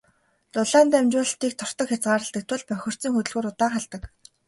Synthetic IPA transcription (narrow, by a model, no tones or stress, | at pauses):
t̪ʊɮaːnt̪æmt͡ɕʊːɮɬt̪iːk̚t̪ʰɔr̥t̪ɞ̆kxʲat͡sɢaːɾə̆ɬt̪ə̆k̚t̪ʰwʊ̆ɮpœxʲɪ̆r̥t͡sĭːŋxut̪ɵ̆ɮɣuːɾʊt̪aːɴχaɮt̪ə̆k